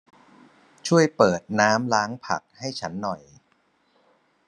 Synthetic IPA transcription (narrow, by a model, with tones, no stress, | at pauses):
t͡ɕʰu˥˩əjpɤː˨˩t̪̚naː˦˥mlaː˦˥ŋpʰa̰˨˩k̚ha˥˩jt͡ɕʰa˦˥nːɔ˨˩j